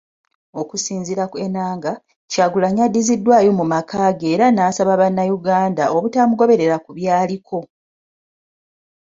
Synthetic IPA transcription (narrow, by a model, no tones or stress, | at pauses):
o̞kusiːnziɾake̞naːŋɡa | caːɡulaɲadːizidːwaːjo̞mumakaːɡeːɾanaːsaβaβanːajuɡaːndaʔo̞βutaːmuɡo̞βe̞ɾe̞ɾakuβjaːlikʰo̞